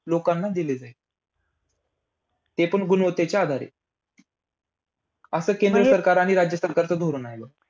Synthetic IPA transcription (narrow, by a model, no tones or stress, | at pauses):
lokanːad̪iled͡zae | t̪epəɳɡunʋət̪et͡ɕjaad̪ʱaɾḛ | əsəːkend̪ɾəsəɾkaɾaɽ̃iɾad͡ʑjəsəɾkaɾt͡səd̪ʱoɾuːnajlə